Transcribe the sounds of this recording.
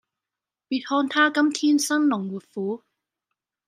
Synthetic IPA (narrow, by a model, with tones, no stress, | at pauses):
piː˧t̚hɔː˧nt̪ʰaː˥kɐ˥mt̪ʰiː˥nsɐ˥nlʊ˨˩ŋwuː˨˩t̚fuː˨˥